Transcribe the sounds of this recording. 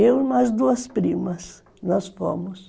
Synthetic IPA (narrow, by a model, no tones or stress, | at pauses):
ewmɐzd̪uɐspɾĩmɐs | nɔsfõ̰mʊs